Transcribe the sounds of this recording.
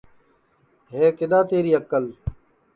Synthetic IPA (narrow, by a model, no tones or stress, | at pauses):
ɦeːkɪd̪aːt̪eːɾiːəkəl